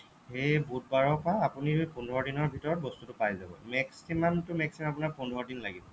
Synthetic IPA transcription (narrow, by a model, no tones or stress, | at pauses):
ejbut̚baɹɔpɔɹaːpunipundʱɔɔdinɔɹbʱitɔɹɔt̚bɔstutʊpajzabɔ̰mɛksimantʊmɛksimaapunaɹpundʱɔɔdinlaɡibɔ